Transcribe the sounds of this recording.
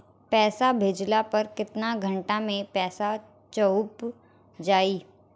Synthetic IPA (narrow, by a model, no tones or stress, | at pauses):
pɛːsabʱeːd͡ʒlapɐɾkɪt̪naɡʱə̃ɳʈamẽpɛːsa | t͡ʃɐʊp | d͡ʒaːiː